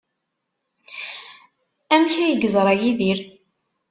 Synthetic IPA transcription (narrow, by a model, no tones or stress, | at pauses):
æmçæjəɡəzˤɾˤɑjiðiɾ